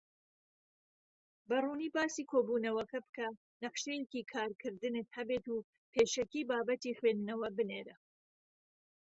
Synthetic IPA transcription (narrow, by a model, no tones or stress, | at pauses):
bɐruːniːbaːsiːkʰoːbuːnɐwɐkɐbkʰɐ | nɐqʃejekiːkʰaːɾkʰɨɾd̪ɨnɨt̪̚hɐbeːt̪uː | pʰeːʃɐkiːbaːbɐt̪ixweːnɨnɐwɐbɨneːɾɐ